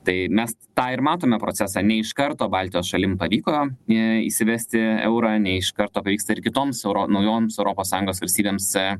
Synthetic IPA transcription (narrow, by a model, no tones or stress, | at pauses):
t̪ɐɪmʲɛs | t̪ɑːɪɾmɑːt̪oːmʲɛpɾoːt͡s̪ʲæːsɑːnʲɛɪʃkɐɾt̪oːbɑːlʲt̪ʲɪjoːsʃɐlʲɪmpɐʋʲiːkoːɪḭʃsʲɪʋʲæsʲt̪ʲɪɛ̰ʊɾɑːnʲɛɪʃkɐrt̪oːpɐʋʲiːkst̪ɐɪɾkʲɪt̪oːmsɛʊɾonɐʊjoːmsɛʊɾoːpoːsːɑːjʊ̃ŋɡoːsʋɐlʲsʲt̪ʲiːbʲeːms